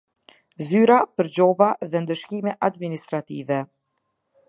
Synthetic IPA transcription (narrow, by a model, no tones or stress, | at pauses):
zyɾapəɾd͡ʑɔbaðɛnd̪əʃkimɛʔad̪minist̪ɾat̪ivɛ